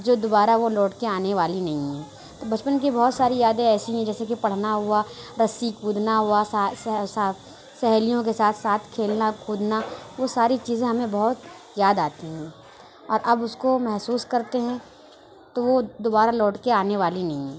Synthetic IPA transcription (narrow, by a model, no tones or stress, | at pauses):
d͡ʒoːd̪obaːɾaʋolɔːʈkeaːneʋaːlinɐɦĩɦɛ̃ː | t̪obɐt͡ʃpənk̬ibɔɦʊt̪saːɾijaːd̪ẽɛːsiɦɛ̃d͡ʒɛːsekipɐɽ̤naɦʊaɾɐsikʰuːd̪ʱnaɦuasasa | sɛɦlijõkesaːt̪ʰsaːt̪ʰkʰeːlnakʰuːd̪naʋosaːɾit͡ʃiːzẽɦɐmẽbɐɦʊt̪ | zjaːd̪aːt̪iɦɛ̃ | ɔːɾʔɐbʊskomɛɦsuːskɐɾt̪eɦɛ̃ | t̪oʋod̪obaːɾalɔːʈkeaːneʋaːlinɐɦĩɦɛ̃ː